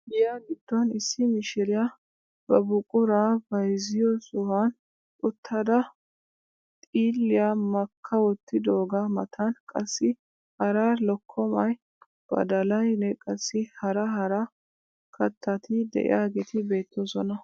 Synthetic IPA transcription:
ɡɪjaɡɪd̪ːɔnɪsːɪmɪʃɪɾɪja | b̥ɐbʊkʼʊɾabɐjzɪjɔsʊhɐn | ʊt̪ʰːɐd̪ɐ | t̪ʼiːlːɪjamɐkʰːɐwɔt̪ːɪd̪oːɡɐmɐt̪ʰɐnkʼɐsːɪ | hɐɾaːlɔkʰːɔmɐj | b̥ɐ̰d̪ɐlɐjnɛkʼɐsːɪhɐɾɐɦɐɾɐ | kʰɐt̪ʰːɐt̪ɪd̪ɛ̰ʔɪ̰jaːɡet̪ɪbe̞ːt̪ʰːɔzɔnɐ

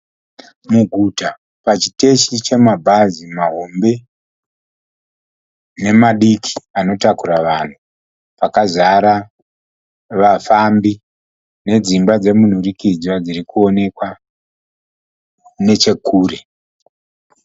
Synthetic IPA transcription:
muɡʱuta | pat͡ʃi̥te̞ʃit͡ʃe̞mabʱazimaɦo̞mbe̞ | ne̞maɗikʰi̥ano̞takuɾaʋan̤u | pakazaɾa | ʋafambi | ne̞d͡zimbad͡ze̞mun̤urikid͡zwad͡ziɾikuo̞ne̞kwa | ne̞t͡ʃe̞kʰuːre̞

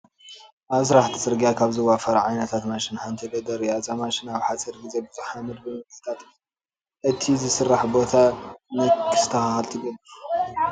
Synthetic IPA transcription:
ʔaβzɾaħt̪ʰi̥sɨɾɡjakʰaβzɨwafɐɾaʕajnɐt̪ʰat̪maʃinhant̪ʰɐd̪ɐd̪ɐɾijazamaʃinaβħasɐɾɡize̞bɨzuħamɨd̪bɨmɨkɨst̪ʰat̪ | ʔɨt̪ʰizɨsɨrːaħbo̞t̪ʰamɐkʰːɨst̪ʰɐxaxɨlt̪ʰiɡon

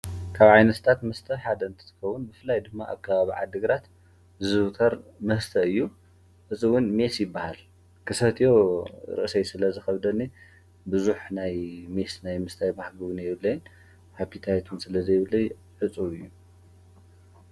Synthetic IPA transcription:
kʰaβʕajnɐt̪t̪ʰat̪mɐst̪ʰɐħad̪ɐɨnt̪ʰɨ̥t̪ʰɨ̥kɐwːunbɨfɨlːajd̪ɨmːa̰ʔa̰kʰːaβaβiʕa̰d̪ɨɡɾat̪ | zɨβt̪ʰɐɾmɐhɨst̪ʰɐɨjːu | ħɨt͡sʼɨwʊnme̞sjɪbːahal | kʰɨsɐt̪ʰijo̞ɾɨ̰ʔsɐjsɨlɐzɨxɐβd̪ɐnːi | bɨzuħnajme̞snajmɨst̪ʰajbahɡɨwʊnjɛβɨlːɐjːn | hapʰːit̪ʰajet̪ʰunsɨlɐzɐjβɨlːɐj | ħɨt͡sʼuɨjːu

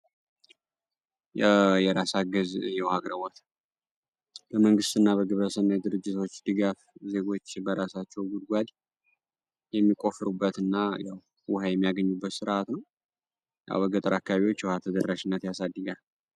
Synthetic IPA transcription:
jɛjɛɾasaɡəzjɛwhaɡɾəwɔt̪ | b̥əməŋɡɨst̪ɨnːabəɡɨβɾəsənːajd̪ɨɾɨd͡ʒːɪt̪ʰo̞t͡ʃːd̪ɨɡafze̞ɡo̞t͡ʃːbəɾasat͡ʃːɛwɡud̪̚ɡʷad̪ | jɛmːikʼo̞fɨɾubːət̪ɨnːajaw | wʊhajɛmːijaɡəɲːubːət̪sɨɾʔat̪nəw | ja̰wbəɡət̪ʼəɾakːaβaβiwo̞t͡ʃːwʊhat̪ʰəd̪ərːaʃɪnːət̪jasad̪ːəɡal

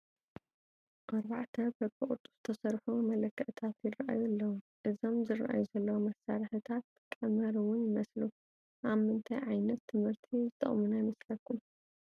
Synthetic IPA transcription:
ʔaɾβaʕt̪ʰɐbɐb̪ʼɨχʼut̪ʼːuz̥ɨ̥t̪ʰɐsɐɾħumɐlɐkːɐʔt̪ʰat̪jɪrɐʔa̰julːɐwu | ʔɨzo̞mzɨrɐ̰ʔa̰juzɐlːɐwomɐsaɾɐħɨt̪ʰat̪ | kʼːɐmɐɾuwʊnjɪmɐslu | ʔaβmːɨnt̪ʰajʕajnɐt̪ʰːɨmhɨɾt̪ʰizɨt̪ʼɐ̰χʼmunajmɐslɐkːum

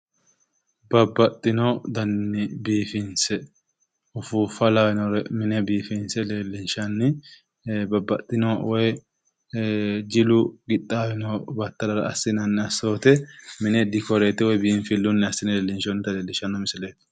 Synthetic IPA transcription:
bɐbːɐt̪ʼːɪnɔd̪ɐnːɪbiːfɪnsɛ | ʊfufɐlajɪnɔɾɛmɪnɛbiːfɪnsɛle̞ːlːɪnʃɐnːɪ | bɐbːɐt̪ʼːɪnɔwɔj | d͡ʒɪlʊɡɪt̪ʼːaːjɪnɔbɐt̪ːɐlɐɾɐ̰ɐsːɪnɐnːɪɐso̞ːt̪ɛmɪnɛd̪ɪkɔɾeːt̪ɛwɔjbiːnfɪlːʊnːɛɐsɪnɛleːlːɪnʃɔnːɪt̪ɐleːlːɪʃɐnːɔmɪsɪleːt̪

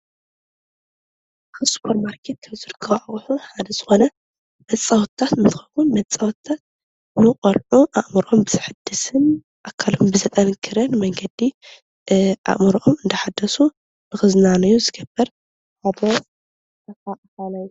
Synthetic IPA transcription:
xɨspʰoɾmaɾkʰet̪̚kʰɐβzɨɾɨkʰːɐwʔaʔħuħad̪ɐzɨxo̞nɐ | mɐt͡sʼːawt̪ʰːat̪nɨt̪ʰɨxɐkunmɐt͡sʼawt̪ʰːat̪̚ | nɨkʼɐlʕuʔaʔmɨɾʔo̞mbɨzɨħɨd̪ːɨsɨn | ʔakʰːalombɨzɐt̪ʼɐnkʰɨɾɨnmɐŋɡɐd̪i | ʔa̰ʔʼmɨɾʔomɨnd̪ɐħad̪ːɐsu | nɨxɨznanɨjuzɨɡɐbːɐɾ | ʔaβo | ɐfaʔʼt̪anajːu

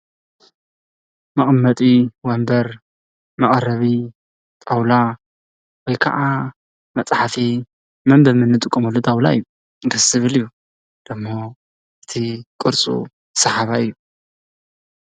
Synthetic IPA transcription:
mɐχʼmːɐt̪ʼiwɐmbɐɾ | mɐχʼɐɾɐβi | t̪ʼawla | wɔjkʰɐ̰ʔa | mɐt͡sʼħafi | mɐmbɐɾmɨnːɨt̪ʼɨkʼːɐmɐlːot̪ʼawla̰ɨjːu | ŋɡɨsːɨβɨlɨjːu | d̪̥ɨmːo | ʔɨt̪ʰikʼɨɾt͡sʼṵ̥ | sɐħaβaɨjːu

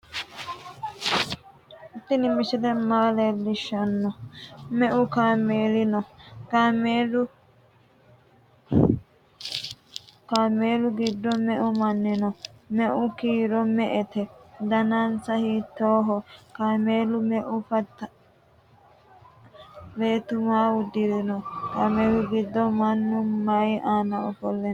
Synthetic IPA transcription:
ɪt̪ːɪnɪmɪsɪd̪ɛmaːlelːɪʃːɐnːɔmɛʔʊkaːmeːlɪnɔkaːmeːlʊ | kaːmeːlʊɡɪd̪ːɔmɛʔʊmɐnːɪnɔmɛʔʊkiːɾɔmɛʔɛt̪ɛd̪ɐnansɐhiːt̪ːoːɦɔkaːmeːlʊmɛʔʊfɐt̪ː | beːt̪ʊmaːwʊd̪ːɪɾɪnɔkaːmeːlʊɡɪd̪ːɔmɐnːʊmɐjaːnɐɔfɔlːɛn

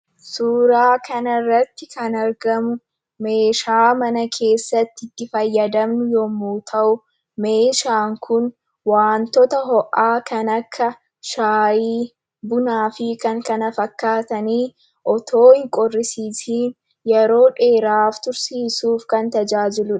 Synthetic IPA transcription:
suːɾaːkʰɐnɐrːɐt̪ːɪkɐnɐɾɡɐmʊ | me̞ːʃaːmɐnɐkʰe̞ːsːɐt̪ːɪd̪ːɪfɐjːɐd̪ɐmnʊjɔmuːt̪ʰɐʔʊ | me̞ːʃaːŋkʰʊn | waːnt̪ɔt̪ɐɦɔʔaːkɐnɐkʰːɐ | ʃaːjiː | bʊnaːfɪkɐŋkɐnɐfɐkːaːt̪ɐniː | ʔɔt̪ʰo̞ːhɪŋkʼɔrːɪsiːsiːn | jɛɾo̞ːᶑe̞ːɾaːft̪ʊɾsiːsuːfkɐnt̪ɐd͡ʒaːd͡ʒɪlʊᶑ

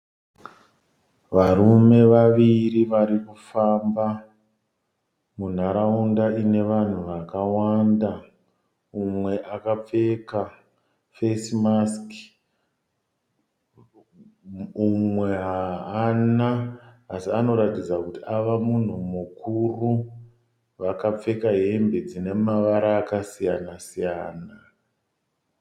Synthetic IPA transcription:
ʋaɾume̞ʋaʋiɾiʋaɾikufamba | mun̤aɾaundaine̞ʋan̤uʋakawanda | umwe̞ʔakap͡fe̞ka | fesimask | umwe̞ɦaanaːsiano̞ɾatid͡zakutiaʋamun̤umukuru | ʋakap͡fe̞kaɦe̞mbed͡zine̞maʋaɾaːkasijanasijaːna

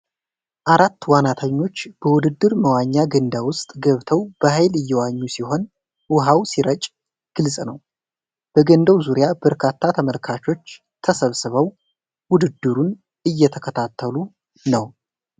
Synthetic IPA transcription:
ʔaɾat̪ːwanat̪ʰəɲːo̞t͡ʃːb̥əwʊd̪ɨd̪ːɨɾməwaɲːaɡənd̪awʊst̪ʼɡəβt̪ʰəwb̥əhajlɨjːɛwaɲːusiɦo̞n | wʊɦawsiɾət͡ʃʼ | ɡ̥ɨlsʼnəw | b̥əɡənd̪əwzuɾjabəɾkʰat̪ʰːat̪ʰəməlkʰat͡ʃo̞t͡ʃː | t̪ʰəsəβsɨβəw | wʊd̪ɨd̪ːɨɾun | ɨjːɛt̪ʰəkʰət̪ʰat̪ʰːəlu | nəw

